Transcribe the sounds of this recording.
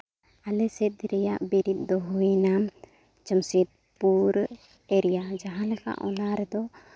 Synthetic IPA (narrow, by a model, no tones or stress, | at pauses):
alɛsɛt̪̚ɾɛjaʔbiɾit̪̚d̪ɔɦuinam | d͡ʒəmsɛt̪̚ | puɾ | eɾijad͡ʒaɦãlɛka̰ʔɔ̰naɾɛd̪ɔ